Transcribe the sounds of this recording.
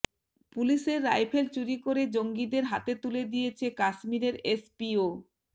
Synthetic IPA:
puliʃeɾːajpʰelt͡ɕuɾikoɾed͡ʑoŋɡid̪eɾɦat̪et̪uled̪ijet͡ɕʰekaʃmiɾeɾespio

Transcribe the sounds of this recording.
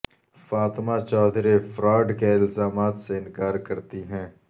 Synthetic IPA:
faːt̪mat͡ʃɔːd̪ɾefɾɔːɖkeɪlzaːmaːt̪seɪnkaːɾkɐɾt̪iɦɛ̃ː

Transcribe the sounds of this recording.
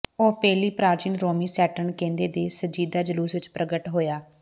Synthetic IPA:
oːpɛːliːpɾaːd͡ʒiːnɾoːmiːsɛːʈəɳkẽːnd̪eːd̪eːsəd͡ʒiːd̪aːd͡ʒəluːsʋɪt͡ʃpɾʔəɡəʈɦoːjaː

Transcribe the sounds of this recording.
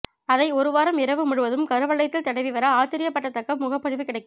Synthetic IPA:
ɐðɐɪɔɾɯʋaːɾɐmɪɾɐʋɯmʊɻɯʋɐðɯmkɐɾɯʋɐɭːɐjt̪ːɪlt̪ɐɽɐɪʋiʋɐɾɐaːt͡ʃɐɾɪjɐpːɐʈːɐt̪ːɐkːɐmʊɣɐpːɐɻɪʋɯkɪɽɐɪkːɯm

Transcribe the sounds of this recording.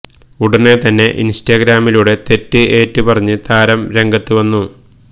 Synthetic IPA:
uɽɐnet̪ɐnːe̞ʔḭnstaɡɾaːmiluɽe̞t̪e̞tːɨʔe̞ːtːɨpɐrɐɲːɨt̪aːɾɐmɾe̞ŋɡɐt̪ːɨʋɐnːu

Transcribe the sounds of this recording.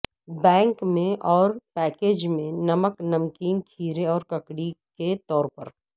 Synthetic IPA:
bɛ̃ːŋkmẽʔɔːɾpɛːkeːd͡ʒmẽnɐməknɐmkiːnt̪ʰiːɾeɔːɾkɐkɽiket̪ɔːɾpɐ̰ɾ

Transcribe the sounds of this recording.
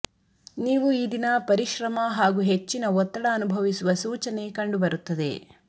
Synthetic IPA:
niːʋuid̪inɐpɐɾiʃɾɐmɐɦaːɡuɦet͡ʃːinɐɔt̪ːɐɽɐːnubʱɐʋisuʋɐsuːt͡ʃɐne̞kɐɳɖubɐɾut̪ːɐd̪e̞̰

